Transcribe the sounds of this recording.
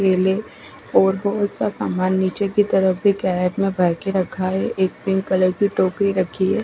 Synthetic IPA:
ɾeːle | ɔːɾbɔɦʊt̪sasa̰ːmaːnːiːt͡ʃekit̪ɐɾəbʱikɛːɾeʈmẽbʱɐɾkeɾɐkʰaɦɛeːk̚b̪ɪ̃ŋkɐləɾkiʈoːkɾiɾɐkʰiɦɛː

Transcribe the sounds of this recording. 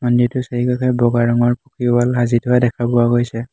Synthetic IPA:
mɔnditʊseikakʰɛbɔɡaɹɔŋɔɹpukibalɦazitʊwadɛkʰabʊaɡojsɛ

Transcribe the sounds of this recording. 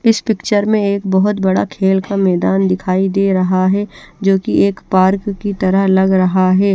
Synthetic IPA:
ɪspɪkt͡ʃəɾmẽeːkbɐɦʊt̪bɐɽakʰeːlkamɛːd̪aːnd̪ɪkʰaːid̪eːɾɐɦaɦɛd͡ʒoːkieːkpaːɾkːit̪ɐɾəɦlɐɡɾɐɦaɦɛː

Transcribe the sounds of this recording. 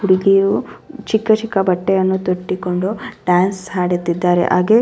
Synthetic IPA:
ɦuɽiɡijut͡ʃikːɐt͡ʃikːɐbɐʈːɛjɐnːut̪oʈːikoɳɖuɖaːnsɦaːɽet̪ːid̪ːaːɾḛʔaːɡe

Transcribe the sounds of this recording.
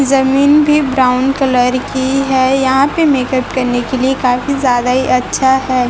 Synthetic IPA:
zɐmiːnbʱibɾaːʊnkɐləɾkiɦɛːjɐɦãpemeːkəpkɐɾnekeliekaːfizjaːd̪aɦiʔɐtːʃʰaɦɛː

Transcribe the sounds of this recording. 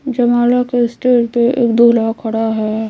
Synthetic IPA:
d͡ʒɐmaːlakesʈeːʈpeʔḛːkd̪oːlakʰɐɽaɦɛː

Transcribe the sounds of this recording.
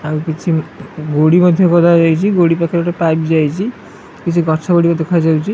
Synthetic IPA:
amikit͡ʃʰiɡoɽimɔd̪ʱːjokɔd̪ʰʱad͡ʒajt͡ʃʰiɡoɽipakʰeɛʈapajbid͡ʒajt͡ʃʰi | kit͡ʃʰiɡʱɔɾt͡ʃʰaɡoɽikod̪ekʰajd͡ʒawt͡ʃʰi

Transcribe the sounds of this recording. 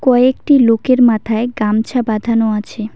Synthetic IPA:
kɔeekʈilokeɾmat̪ʰaeɡamt͡ɕʰabad̪ʱanoat͡ɕʰe

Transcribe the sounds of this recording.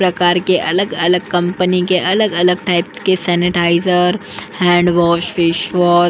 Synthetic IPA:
pɾɐkaːɾkeʔɐləɡɐləɡ̚kɐ̃mpənikeʔɐləɡɐləɡ̚ʈaːɪpskesɛːnɪʈaːɪzəɾ | hɛ̃ːɳɖʋɔːʃfɪʃʋɔː

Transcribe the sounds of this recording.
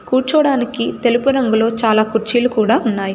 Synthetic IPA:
kuːɾt͡ʃɐʋɽaːnikit̪e̞lupuɾɐŋɡulo̞ːt͡ʃaːlaːkuɾt͡ʃiːlukuːɽaːunːaːji

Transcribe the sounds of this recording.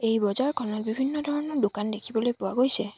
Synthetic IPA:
ejbɔzaɹkʰɔnɔt̚bibʱinːɔdʱɔɹɔnɔɹdokandekʰibɔlojpʊwaɡojsɛ

